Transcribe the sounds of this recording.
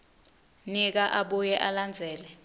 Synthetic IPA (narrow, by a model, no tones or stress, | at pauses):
nik̬aʔaɓujɛʔaland͡zʱɛːlɛ